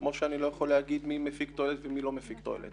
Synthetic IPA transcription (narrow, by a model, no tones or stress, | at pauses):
mo̞ʃeanilo̞jaχo̞leaɡid̪mimefikt̪oelet̪vemilo̞mefikt̪oḛlḛt̪